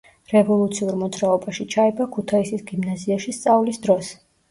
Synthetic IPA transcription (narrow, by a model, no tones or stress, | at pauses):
ɾɛvɔlˠut̪sʰiuɾmɔd̪zɾaɔbaʃit͡ʃʰaɛbakʰut̪ʰaisisɡimnaziaʃist̪sʼavlisd̪ɾɔs